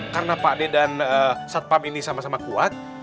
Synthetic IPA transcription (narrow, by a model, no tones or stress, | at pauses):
karənapadedanəsat̪̚paminisamasamakuat̪̚